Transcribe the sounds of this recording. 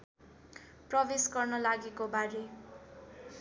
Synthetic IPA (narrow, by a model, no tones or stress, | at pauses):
prʌbesɡʌrnʌlaɡekobaɾe